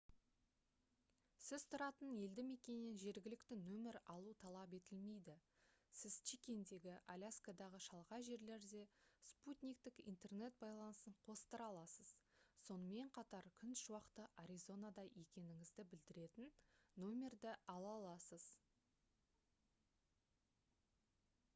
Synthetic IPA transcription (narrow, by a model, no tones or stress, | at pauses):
sɪz̥t̪ʰʊɾɑt̪əne̞ld̪ɪme̞kʲenːenʒe̞ɾɡʲɪlɪkt̪ɪnɵmɪɾɑlˠut̪ʰɑlˠɑp̬e̞t̪ɪlme̞jd̪ɪsɪzt͡ʃikʲe̞nd̪e̞ɡʲɪʔalʲaskad̪ɑʁəʃɑlˠʁɑʒe̞ɾle̞ɾd̪e̞sput̪ʲnʲijk̚t̪ɪkḭnt̪e̞rne̞t̪̚bɑjlˠɑnəsəɴqʰo̞st̪əɾɑlˠɑsəz̥so̞nəme̞ɴqʰɑt̪ɑɾkʲʰʏnʃwɑqt̪əʔaɾʲizo̞nad̪ɑje̞kʲe̞nɪŋɪzd̪ɪbɪld̪ɪɾe̞t̪ɪnːomʲe̞rd̪ɪɑlˠɑlˠɑsəz̥